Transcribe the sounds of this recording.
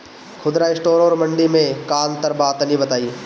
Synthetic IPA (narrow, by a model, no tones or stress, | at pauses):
kʰʊd̪ɾaɪsʈoːɾoːɾmɐ̃ɳɖimẽkaːənt̪əɾbaːt̪nibɐt̪aːie